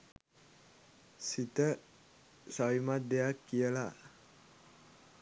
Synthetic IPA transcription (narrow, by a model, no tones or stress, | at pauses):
sit̪ə | sawimadeakiəla